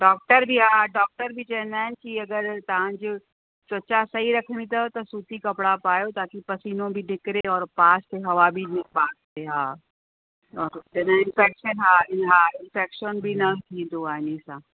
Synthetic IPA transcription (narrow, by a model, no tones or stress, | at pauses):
ɖɔːk̚ʈəɾbʱiɦãːɖɔːk̚ʈəɾbʱit͡ʃɛːnaɛ̃nkiɐɡəɾt̪ãd͡ʒ | t͡ʃət͡ʃasɐɦiɾɐkʰñit̪at̪osuːt̪ikɐpɽapaːjot̪aːkipɐsiːnõbʱinɪkɾeɔːɾpaːsteɦɐʋabʱinɪbaːt̪ | eɦãː | ɔːɾd͡ʒɛnaɪ̃nfɛːkʃənɦãɪɦãːɪnfʰɛːkʃənbʱinɐt̪ʰid̪oaːnisãː